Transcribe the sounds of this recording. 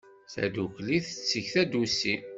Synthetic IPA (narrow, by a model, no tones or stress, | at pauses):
θæ̰d̪ukliθət͡sːəçθæd̪usi